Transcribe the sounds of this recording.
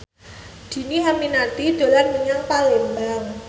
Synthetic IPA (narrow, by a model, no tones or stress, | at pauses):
d̪̥i̤niɦaminat̪id̪̥a̤lanməɲaŋpalɪmbaŋ